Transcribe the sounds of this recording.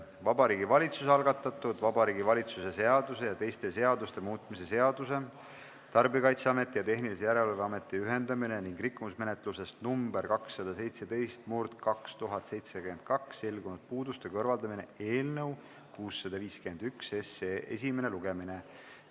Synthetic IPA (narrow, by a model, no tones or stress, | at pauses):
vɑbɑɾiːɡivɑlʲit̪susɑlɡɑt̪ːˑɑt̪ːˑud̪vɑbɑɾiːɡivɑlʲit̪suse̞se̞ɑd̪̥use̞jɑt̪e̞jst̪ese̞ɑd̪ust̪e̞muːt̪ˑmise̞se̞ɑd̪use̞ | t̪ɑrbikɑjt̪seɑme̞t̪ːˑijɑt̪e̞ɦnilisejæɾe̞leveɑme̞t̪ːˑiyɦe̞nd̪ɑmine̞niŋɡrikːumusme̞net̪ˑluse̞st̪numbeɾkɑksːɑd̪̥ɑse̞jt̪se̞d̪e̞jst̪murd̪̥kɑkst̪uɦɑt̪ˑse̞jt̪sekymend̪̥̚kɑksːe̞lɡ̥unut̪̚puːd̪ust̪ekɤrvɑld̪ɑmine̞̰e̞ːlnɤw | kuːsːɑd̪̥ɑviːskyend̪ykse̞seʔḛs̬ʲimene̞luɡ̥e̞mine